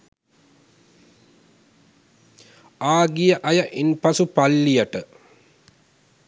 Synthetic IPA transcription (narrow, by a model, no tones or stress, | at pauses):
aːɡijəʔɐjɐʔinpɐsupalːijəʈə